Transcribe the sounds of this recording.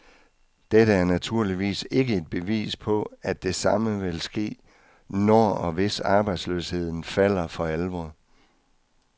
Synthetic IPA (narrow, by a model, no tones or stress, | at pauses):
d̥eɾ̥əæɐnæt͡sʰuɐ̰liʋḭːse̝ɡ̥əe̝d̥̚b̥e̝ʋḭːspʰɒ̽æ̥e̝sɑ̈məʋe̝lsɡ̥e̝̰ː | nɒɒ̽ʋe̝sɑ̈ːb̥ɑ̈ɪd̥slø̰she̝ð̞̰ˠn̩fæl̰ɐfɒ̽ælʋɒðˠ